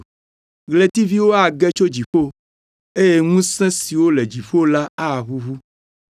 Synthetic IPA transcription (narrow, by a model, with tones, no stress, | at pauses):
ɣle˨t̪i˦vi˦wo˦a˨ɡɛ˦t͡ʃo˦d͡ʑi˨ɸo˦ | e˦je˦ŋũ˦sɛ̃˦si˨wo˦le˨d͡ʒi˨fo˦la˦a˦˨ɦu˦ɦu˦